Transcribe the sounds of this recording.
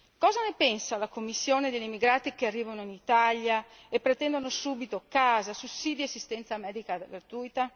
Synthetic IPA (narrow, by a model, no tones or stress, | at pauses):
kɔːzanepɛnsalakomːisːjoːned̪eʎimːiɡɾaːt̪ikearːiːvanoinit̪aʎja | epːɾet̪ɛnd̪onosuːbit̪okaːzasusːid̪iasist̪ɛnt̪samɛːd̪ikaɡɾat̪ujt̪a